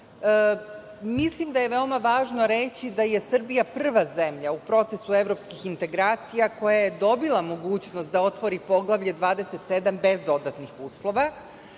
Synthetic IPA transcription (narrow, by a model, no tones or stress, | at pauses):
mislˠimd̪aje̞ʋeo̞maʋaːʒno̞ɾe̞t͡ɕid̪aje̞sr̩bijaprr̩ʋaze̞mʎaupɾo̞t̪se̞sue̞vɾo̞pskixint̪e̞ɡɾaːt̪sijako̞jaje̞d̪o̞bilˠamo̞ɡuːt͡ɕnost̪̚d̪ao̞t̪ʋo̞ɾipo̞ɡlˠaʋʎe̞d̪ʋaːd̪e̞set̪se̞d̪ambe̞zd̪o̞d̪at̪nixuːslˠo̞ʋa